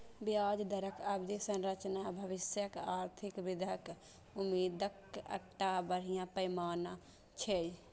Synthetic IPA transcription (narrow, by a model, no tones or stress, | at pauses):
bjaːd͡ʒd̪əɾəkəbd͡ʒ̪isə̃nɾət͡ʃnaːbʱəʋɪsjəkaːɾt̪ʰɪkʋɪd̪ʱək | ʊmiːd̪əkə̰k̚ʈabəɾ̤ijãpəjmaːna | t͡ʃʰej